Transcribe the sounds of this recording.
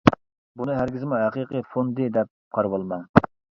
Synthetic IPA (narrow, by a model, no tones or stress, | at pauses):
bunɨɦæɾɡʲɪzɪmuɦæqiqɨfond̪ɨd̪ɛp̚qʰɑɾbolˠmɑn